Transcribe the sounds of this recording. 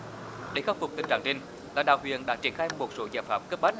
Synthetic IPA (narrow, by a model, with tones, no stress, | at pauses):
ɗe˧˩˦xaː˦˥p̚fʊ˨˩k͡p̚t̪ï˨˩ŋt͡ɕa̰˧˨ŋt͡ɕï˧ŋ̟ | laː˨˩ɗa̰ː˧˨whwḭ˧˨ənɗa̰˧˥t͡ɕi˧˩ənxaː˧jmo˨˩t̚so̰˧˦zaː˧˩jfaː˧˥pm̚kə˦˥p̚ɓaː˦˥